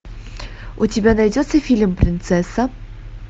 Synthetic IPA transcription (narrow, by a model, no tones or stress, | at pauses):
utʲɪbʲanajdʲot̪səfʲilʲmpɾʲɪnt̪sɛsɐ